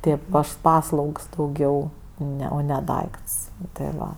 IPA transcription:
ˈtʲeːp ˈɐʃ ˈpɑːslˠɐʊks dɐʊˈɡʲɛʊ ˈnʲɛ oː nʲɛ ˈdɐɪkts tʲɪ ˈʋɐ

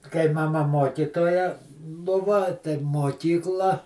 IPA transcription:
kɐɪ mɐˈmɐ ˈmoːkʲiːtoːjɛ ˈbʊʋɐ tɐɪ moːˈkʲiːklˠɐ

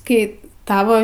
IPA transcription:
ˈkɐɪ ˈtɑːʋoː

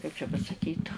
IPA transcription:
kɐɪp t͡ʃʲɛ pɐsɐˈkʲiːt

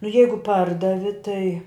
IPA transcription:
nʊ ˈjɛɪɡʊ ˈpɐrdɐʋʲɪ tɐɪ

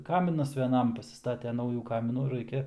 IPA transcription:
ˈkɑːmʲɪnɐs ʋʲɛˈnɐm pɐsʲɪsˈtɑːtʲɛ ˈnɐʊjuː ˈkɑːmʲɪnuː ˈrɐɪkʲɛ

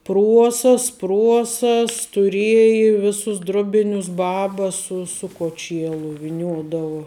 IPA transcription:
ˈpruɔsɐs ˈpruɔsɐs tʊˈrʲiɛjɪ ˈʋʲɪsʊs ˈdrʊˌbʲɪnʲʊs ˈbɑːbɐ ˈsʊ sʊ koːˈt͡ʃʲiɛlˠʊ ʋʲɪˈnʲuɔdɐʋʊ

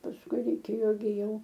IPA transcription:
pɐsˈkʊɪ rʲɛɪˈkʲeːjoː ɡʲɪ ˈjɛʊ

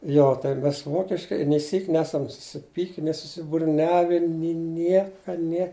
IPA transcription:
ˈjoː tɐɪ ˈmʲɛs ˈʋoːkʲɪʃkɐɪ nʲeː ˈsʲiːkʲ ˈnʲæːsɐm sʊsʲɪˈpʲiːkʲɪ nʲɪ sʊsʲɪbʊrʲˈnʲæːʋʲɪ nʲɪ ˈnʲiɛkɐ nʲiɛ

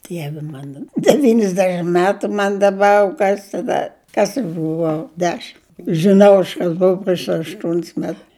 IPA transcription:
ˈdʲiɛʋʲɪ ˈmɑːnɐ dʲɛˈʋʲiːnʲɪzʲdʲɛʃʲɪm ˈmʲæːtʊ ˈmɐn dɐˈbɐr ˈkɐs tɐˈdɐ ˈkɐs ɐʃ bʊˈʋɐʊ ˈdʲæːʃʲɪm ʒʲɪˈnɐʊ ɐʃ ˈkɐs ˈboːʊ pʲrʲiɛʃ ɐʃˈtuɔnʲs mʲɛt

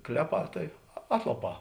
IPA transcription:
ˈklʲæːˌpɑː tɐɪ ˈɑːtlˠɐˌpɑː

